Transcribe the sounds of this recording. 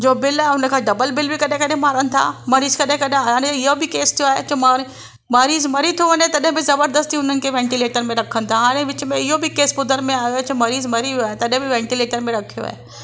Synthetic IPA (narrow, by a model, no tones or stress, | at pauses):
d͡ʑoːbɪlaːʊnə̆kʰãːɖɐbəlbɪlbʱɪkɐɗẽkɐɗẽmaːɾənɪ̆t̪ʰa̰ːmɐɾiːzkɐɗẽkɐɗẽaaːɽ̃eɪɦobʱɪkeːst̪ʰijoaːɦet͡ɕʊma | mɐɾiːzmɐɾit̪ʰoʋɐɲet̪ɐɗɦɪ̃bɪzɐbəɾd̪əst̪iʊn̤ənɪ̆kʰeːʋɛ̃ːɳʈileːʈəɾmẽɾɐkʰənɪ̆t̪ʰaɦaːɽ̃eʋɪt͡ɕmẽɪɦobʱɪkeːsbʊd̪ʱəɾmẽaːjot͡ɕɐmɐɾiːzmɐɾiaːɦẽt̪ɐɗɦẽbɪʋɛ̃ːɳʈileːʈəɾmẽɾɐkʰijo̰a̰ːɦe